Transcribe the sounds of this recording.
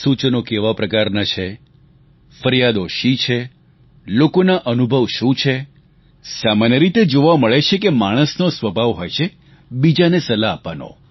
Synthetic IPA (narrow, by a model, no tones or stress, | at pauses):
sut͡ʃnokeʋapɾəkaɾnat͡ʃʰe | fəɾjad̪oʃit͡ʃʰe | lokonaʔənubʱəʋʃũt͡ʃʰe | samanjəɾit̪ed͡ʒoʋaməɭet͡ʃʰekemaɽ̃əsnosʋəbʱaʋɦojt͡ʃʰe | bid͡ʒanesəlaːpa̰no̰